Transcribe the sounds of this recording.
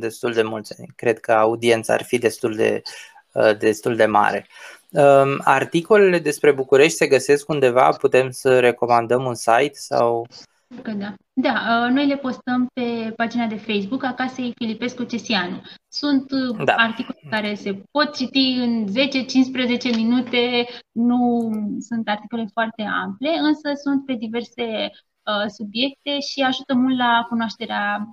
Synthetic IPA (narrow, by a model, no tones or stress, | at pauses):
d̪e̞st̪uld̪e̞mult̪sʲa̰nʲkɾe̞d̪̚kəaud̪ient̪səa̰rfid̪e̞st̪uld̪ḛ | əd̪e̞st̪uld̪e̞ma̰ɾe̞̰ | əa̰rt̪iko̞le̞le̞d̪e̞spɾe̞bukuɾe̞ʃt̪ʲse̞ɡəse̞skund̪e̞va̰put̪e̞msəɾe̞ko̞mand̪əmunsajt̪sa̰w | kəd̪a | d̪aəno̞jle̞po̞st̪əmpe̞pad͡ʒinad̪e̞fejs̬bukakasejfilipe̞skut͡ʃe̞sianusunt̪d̪aart̪ikolekaɾe̞se̞po̞t̪̚t͡ʃit̪iɨnze̞t͡ʃe̞t͡ʃinspɾeze̞t͡ʃe̞minut̪e̞nusunt̪art̪iko̞le̞foart̪e̞a̰mple̞ɨnsəsunt̪̚pe̞d̪ive̞rse̞ | əsubje̞k̚t̪e̞ʃiaʒut̪əmult̪lakunoaʃt̪e̞ɾea